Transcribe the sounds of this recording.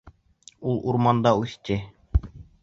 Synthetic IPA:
ulˠuɾmɑnd̪ɑʉθt̪ʲɘ

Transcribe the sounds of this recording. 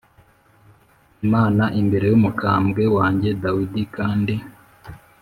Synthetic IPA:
maːnaʔimbe̞ɾe̞jumukʰaːmbɡe̞waːɲɟe̞dawidikaːndi

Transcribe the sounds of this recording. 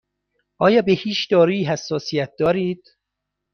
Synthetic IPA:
ʔɒːjɒːbehiːt͡ʃd̪ɒːɾeiːɦæsːɒːsijæt̪̚d̪ɒːɾiːd̪̥

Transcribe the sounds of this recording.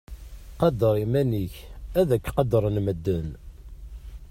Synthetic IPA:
qɑd̪əɾˤimæniçæðækːqɑd̪əɾˤnməd̪ːən

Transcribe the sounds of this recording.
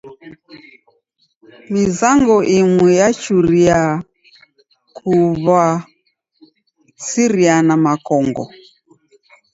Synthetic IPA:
mizaŋɡɔʔimwɛjat͡ʃuɾia | kʰuβa | siɾianamakɔŋɡɔ̰

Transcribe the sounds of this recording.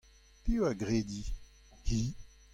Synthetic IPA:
pewaɡʁed̪i | hi

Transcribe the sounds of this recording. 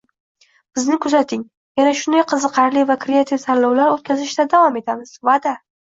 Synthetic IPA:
b̥ɪznɪkʰʊzat̪ʰɪŋ | janaʃʊnd̪ajqʰɨzɨqʰɑɾlivakʰɾeat̪ʰifsaɾlɒwlaɾot̪̚kʲʰazɪʃd̪ad̪avɒme̞t̪ʰamɪz̥vad̪a

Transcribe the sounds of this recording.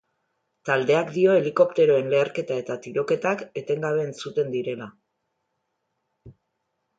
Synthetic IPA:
t̪ald̪e̞akd̪io̞e̞liko̞pt̪e̞ɾo̞e̞nle̞ːɾke̞t̪ae̞t̪at̪iɾo̞ke̞t̪ake̞t̪e̞ŋɡaβe̞ːnsut̪e̞nd̪iɾe̞la

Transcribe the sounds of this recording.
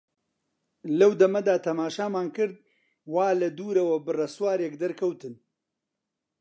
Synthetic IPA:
lɐwd̪ɐmɐd̪aːt̪ʰɐmaːʃaːmaːnkɨɾd̪̚ | waːlɐd̪uːɾɐwɐbɨrɐswaːɾeːk̚d̪ɐɾkʰɐwt̪ɨn

